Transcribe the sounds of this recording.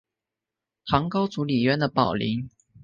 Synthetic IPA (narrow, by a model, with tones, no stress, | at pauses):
xɑ˧˥ŋkɑ˥ʊt͡su˧˥li˨˩ɥɛ˧˥nd̪ə˨pɑ˨˩ʊlḭ˧˥˦ŋ